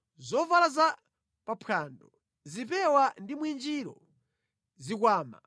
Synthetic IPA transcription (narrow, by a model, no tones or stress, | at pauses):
zɔvalaza | papʰaːndɔ | zipɛwandimwind͡ʒiɾɔ̰ | zik̬waːma̰